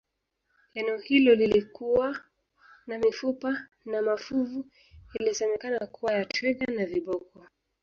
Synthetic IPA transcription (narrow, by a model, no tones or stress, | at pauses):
lɛnɛɔhilɔlilikuwa | namifupa | namafuvu | ilisɛmɛkanakuwajatwiɠanaviɓɔkwa